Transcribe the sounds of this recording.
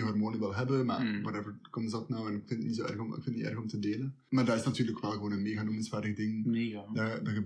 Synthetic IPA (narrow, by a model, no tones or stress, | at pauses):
əɦɔrmoːnəʋɛlˠɦɛbəma̰ːwɑtɛvəɹkɔməzdɑtnɔwɛnɪkfɪntətnitsoːʔɛ̰rɣmɪkfɪntnḭʔɛ̰rɣɔmtədeːlə | maːrdaːɪsnatyːrləkʋɛlˠɣəʋoːnənmeːɣadomənsʋaːrdəɣdɪŋdadɔə